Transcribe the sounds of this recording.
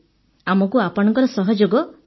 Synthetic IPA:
amɔkuapɔɽ̃ɔ̃ŋkɔɾɔsɔɦɔd͡ʒoɡɔ

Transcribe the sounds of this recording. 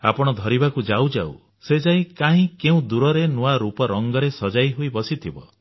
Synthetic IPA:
a̰pɔɽ̃ɔd̪ʱɔɾibakud͡ʒawd͡ʒa̰w̰ | sed͡ʒaĩkaɦĩkeũd̪uɾɔɾenuaɾupɔɾɔŋɡɔɾesɔd͡ʒajɦuibɔsit̪ʰibɔ̰

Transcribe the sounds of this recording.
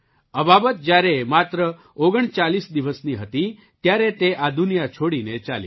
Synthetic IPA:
əbabət̪̚d͡ʒjaɾemat̪ɾə | oɡəɳ̃t͡ʃalisd̪iʋəsniɦət̪i | t̪jaɾet̪eʔad̪ʱunijat͡ʃʰoɽinet͡ʃali

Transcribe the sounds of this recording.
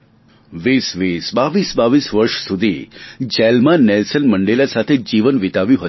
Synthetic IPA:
ʋisʋisbaʋisbaʋisʋəɾʃsud̪ʱid͡ʒɛlmanɛlsənməɳɖelasat̪ʰed͡ʒiʋənʋit̪aʋjũɦə

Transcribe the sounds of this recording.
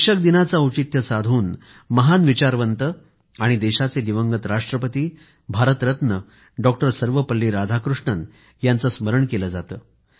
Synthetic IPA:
ɕək̚d̪inat͡saut͡ɕit̪jəsad̪ʱuːn | məɦanʋit͡ɕaɾʋənt̪ə | aɽ̃id̪eɕat͡sed̪iʋəŋɡət̪ɾaʂʈɾəpət̪iː | bʱaɾət̪ɾət̪nə | ɖɔk̚ʈəɾsəɾʋəpəlːiːɾad̪ʱakɾuʂɳən | jant͡səsməɾəɳkeləd͡zat̪əː

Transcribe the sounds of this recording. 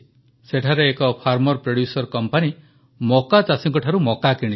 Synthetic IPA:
seʈʰaɾeːkɔpʰaɾmɔɾpɾeɽjusɔɾkɔmpani | mɔkat͡ʃasiŋkɔʈʰaɾumɔkakiɽ̃i

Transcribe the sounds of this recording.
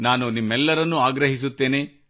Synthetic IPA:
naːnunimːɛlːɐɾɐnːuaːɡɾɐɦis̬ut̪ːe̞ːne̞

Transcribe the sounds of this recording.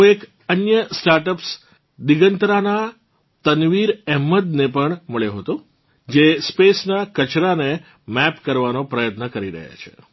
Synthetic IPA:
oek | ənjəsʈaɾʈəps | d̪iɡənt̪ɾana | t̪ənʋiɾɛɦmːəd̪nepəɳməɭjeɦət̪o | d͡ʒespesnakət͡ʃɾane | mɛpkəɾʋanopɾəjət̪nəkəɾiɾə̰ɦja̰t͡ʃʰḛ

